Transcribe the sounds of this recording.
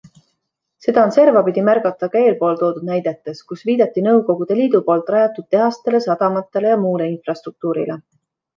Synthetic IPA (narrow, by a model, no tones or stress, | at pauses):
se̞d̪̥ɑonse̞rvɑpid̪̥ʲimærɡ̥ɑt̪ːˑɑkɑe̞ːlpo̞ːlt̪o̞ːd̪ud̪̥̚næjd̪e̞t̪ːˑe̞skusviːd̪̥ɑt̪ːˑinɤwko̞ɡ̥ud̪̥e̞liːd̪̥upo̞ːlt̪ːˑrɑjɑt̪ːˑud̪̥̚t̪e̞ɦɑst̪e̞le̞sɑd̪̥ɑmɑt̪ːˑe̞le̞jɑmuːle̞infrɑst̪ruk̚t̪uːɾḭle